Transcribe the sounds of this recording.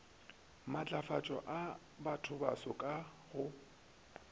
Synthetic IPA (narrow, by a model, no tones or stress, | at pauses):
mat͡ɬʼafat͡ʃʼɔ̰ʔa | batʰʊbasɔkʼa | ɣʊ